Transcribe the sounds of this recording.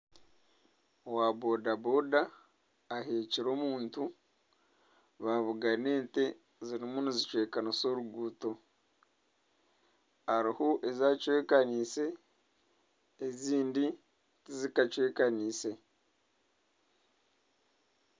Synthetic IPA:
owabo̞dabo̞daː | ɦe̞ːciɾo̞ːmuːntu | βaβuɡane̞ːnte̞ | ziɾimunizit͡ʃwe̞ːkaniso̞ɾuɡuːto̞ | haɾihoʔezaːcwe̞ːkaniːse̞ | ziːndi | tizikat͡ʃwe̞ːkaniːse̞

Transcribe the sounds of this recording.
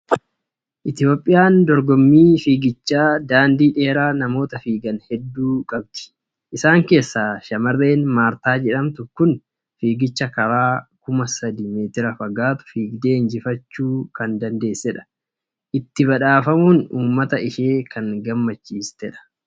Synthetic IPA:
ʔɪt̪ɪbɔpʼːɪjaːnd̪ɔɾɡɔmːiːfiːɡɪt͡ʃːaːd̪aːnd̪iːᶑe̞ːɾaːnɐmo̞ːt̪ɐfiːɡɐnhɛd̪ːuːkʼɐb̚d̪ɪ̥ | ʔɪsaːŋke̞ːsːaːʃɐmɐrːe̞ːnmaːɾt̪aːd͡ʒɛᶑɐmt̪ʊkʊn | fiːɡɪt͡ʃːɐkɐɾaːkʊmɐsɐd̪ime̞ːt̪ɪɾɐfɐɡaːt̪ʊ̥fiːɡd̪e̞ːnd͡ʒɪfɐt͡ʃːuːkɐnd̪ɐnd̪e̞ːsːɛᶑɐ̥ | ʔɪt̪ːɪbɐᶑaːfɐmuːnuːmːɐt̪ɐɪʃeːkʰɐŋɡɐmːɐt͡ʃːiːst̪ɛᶑɐ̥

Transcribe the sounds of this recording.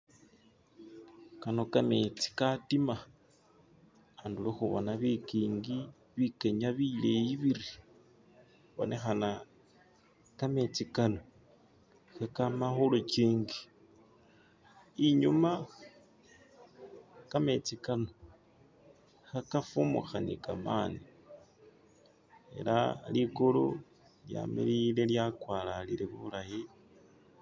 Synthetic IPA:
kano̞kamet͡si̥katima | anduloxuβo̰naβikiːŋɡi | βikeɲaβilejiβiɾi | xβo̰nexana | kamet͡sikano | xakamaxolot͡ʃiːŋɡi | iɲuma | kame̞t͡sikano | xakafumṵxanḭkamaːni | e̞̰lalikulo | lja̰mḭlile̞ljakwalaliɾeβuβulaji

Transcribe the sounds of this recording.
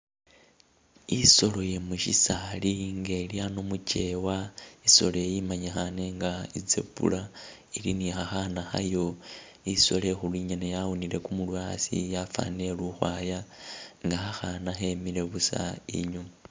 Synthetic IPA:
iso̞lo̞je̞muʃḭsaliŋɡeliano̞muce̞waiso̞lojejimaɲaxane̞ŋɡaid͡zḛpṵla | ilinixaxanaxa̰jo̞ | iso̞̰le̞xulwiɲanejawuniɾe̞kumulwasḭjafa̰ne̞luxwaːjaŋɡaxaxanaxe̞miɾe̞βusa̰ḭɲu

